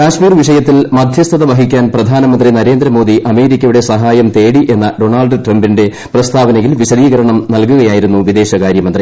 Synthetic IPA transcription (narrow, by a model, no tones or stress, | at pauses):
kaːɕmiːrʋiʂɐjɐt̪ːilmɐd̪ʱjɐst̪ʰɐðɐʋɐɦikʲːaːnprɐd̪ʱaːnɐmɐnd̪rinɐɾe̞ːnd̪ɾɐmo̞ːd̪iʔɐme̞ːɾikʲːɐjuɽe̞sɐɦaːjɐmt̪e̞ːɽiʔe̞nːɐɖo̞ɳaːlɖɨʈrɐmbinde̞ | prɐst̪ʰaːʋɐnɐjilʋiɕɐðiːɣɐɾɐɳɐmnɐlkuɣɐjaːjiɾunːuʋid̪e̞ːɕɐkaːɾjɐmɐnd̪ri